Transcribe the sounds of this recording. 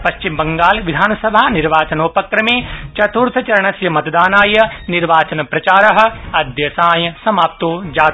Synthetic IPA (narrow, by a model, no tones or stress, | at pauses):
pɐʃt͡ʃimbɐŋɡaːlʋid̪ʱaːnɐsɐbʱaːniɾʋaːt͡ʃɐnoːpɐkɾɐmeːt͡ʃɐt̪uːɾt̪ʰɐt͡ʃɐɾɐɳɐsjɐmɐt̪ɐd̪aːnaːjɐniɾʋaːt͡ʃɐnɐpɾɐt͡ʃaːɾɐɦɐ̆ɐd̪ʱjɐsaːjɐsɐmaːp̚t̪oːd͡ʒaː